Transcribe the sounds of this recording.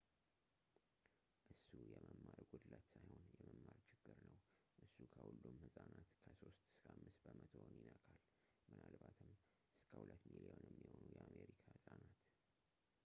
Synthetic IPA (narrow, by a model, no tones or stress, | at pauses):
ʔɨsːujɛməmːaɾɡod̪ɨlat͡ʃ̪sajho̞njɛməmːaɾt͡ʃʰɪɡːɨɾnəw | ʔɨsːukʰəhulːumhɨsʼanat̪kʰəso̞st̪ɨ̥skʰamːɨsbəmət̪ʰonjɪnəkʰʼal | mɨnalbat̪ʰɨm | ʔɨskʰəhulət̪ːmilionjɛmːiho̞nujɛameɾikʰahɨsʼanat̪